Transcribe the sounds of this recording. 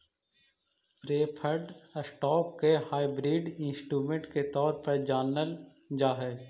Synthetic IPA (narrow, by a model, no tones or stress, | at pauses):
pɾeːpʰəɾɖsʈɔːp̚kehaːɪbɾiːɖɪ̃nsʈɾuːmẽɳʈket̪ɔːɾpɐɾd͡ʒaːnːəl | d͡ʒaːɦɛː